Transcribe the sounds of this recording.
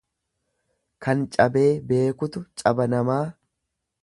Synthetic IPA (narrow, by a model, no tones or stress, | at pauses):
kɐnt͡ʃʼɐbe̞ːbe̞ːkʊt̪ʊt͡ʃʼɐbɐnɐmaː